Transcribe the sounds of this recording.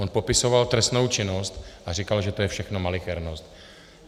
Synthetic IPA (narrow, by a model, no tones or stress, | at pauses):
onpo̞pɪso̞valt̪ɾɛst̪no̞wt͡ʃɪnost̪ʔarikalʒɛt̪ojɛfʃɛxno̞malɪxɛɾnost̪